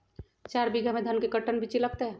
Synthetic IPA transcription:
t͡ʃaɾbiɡʱamed̪ʱənkekəʈənbʱit͡ʃiləɡ̚t̪eɦɛ

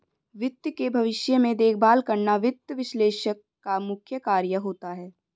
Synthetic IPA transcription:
ʋɪt̪jkebʱɐʋɪʃjəmẽd̪eːk̚ʰbaːlkɐɾnaʋɪt̪ːjəʋɪʃleːʃəkːamʊkʰjəkaːɾjəɦoːt̪aɦɛː

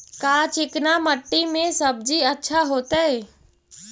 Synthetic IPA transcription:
kaːt͡ʃɪknaməʈːimẽsəb̚d͡ʒiətːʃʰaɦoːt̪ɛɛ

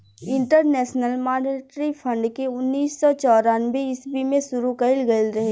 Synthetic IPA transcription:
ɪ̃ɳʈəɾnɛːʃnəlmaːneʈɾipʰə̃ɳɖkeʊnːiːsːɔt͡ʃɔːɾanbeɪsbimẽsʊɾukɐɪlɡəlɾɐɦe

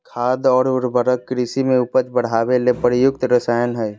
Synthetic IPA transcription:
kʰaːd̪ɔːɾʊɾbəɾəkːɾisimẽʊpət͡ʃbəɽ̤aːbelepəɾijʊk̚t̪ɾəsaːjənɦəj

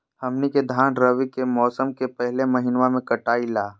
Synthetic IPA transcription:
hɐmniked̪ʱaːnɾəʋikemɔːsəmkepɛɦlemɐɦɪnʋamẽkɐʈaːilaː

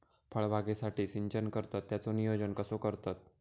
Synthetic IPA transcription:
pʰəɭʋaɡesaʈiːsiɲt͡ɕənkəɾt̪at̪ːjat͡sonijod͡ʑənkəsokəɾt̪at̪̚

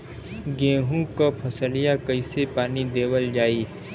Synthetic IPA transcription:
ɡẽːɦũkapʰɐsəlijakɐisepaːnid̪eːwəld͡ʒaːiː

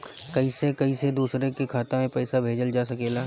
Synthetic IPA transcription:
kɐisekɐised̪uːsɾekekʰaːt̪õmẽpɛːsabʱeːd͡ʒəld͡ʒaːsɐkeːlaː

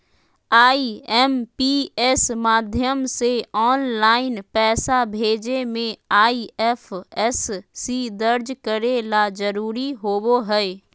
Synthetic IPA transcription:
aːiɛːmpiɛsmaːd̪ʱjəmseɔːnlaːɪnpɛːsabʱeːd͡ʒemẽaːiɛfʰɛsːid̪əɾd͡ʒkəɾelad͡ʒəɾuːɾiɦoːboɦɛe

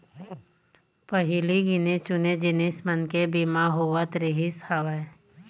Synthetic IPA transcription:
pəɦɪliɡɪnet͡ʃʊned͡ʒɪnesmənkebimaɦoʋət̪ɾɪɦɪshaʋae

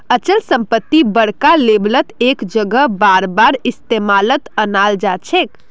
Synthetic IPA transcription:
ət͡ʃəlsəmpət̪ːibəɽkaleblət̪ekd͡ʒəɡəbaɾbaɾist̪emalət̪ənald͡ʒat͡ʃʰek

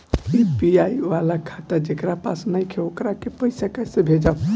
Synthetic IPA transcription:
ipiaiʋalakʰat̪əɾd͡ʒekɾapasnajkʰeokɾakepəɪsakasẽbʱed͡ʒaʊ

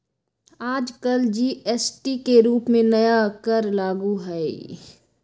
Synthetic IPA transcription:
aːd͡ʒkəld͡ʒiːʔesʈikeɾuːpmẽnɐjakəɾlaːɡuɦɛi

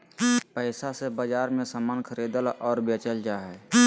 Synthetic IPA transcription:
pəɪsasebəd͡ʒaːɾmẽsamaːnkʰəɾed̪əlɔːɾbet͡ʃəld͡ʒaɦɛ

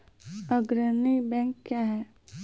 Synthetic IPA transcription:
əɡɾənibɛ̃ːŋkːjaːɦɛː

